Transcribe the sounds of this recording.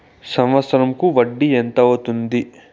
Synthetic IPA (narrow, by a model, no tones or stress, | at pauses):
sɐmʋɐt̪sɐɾɐmkuʋɐɖːient̪ɐɐt̪und̪i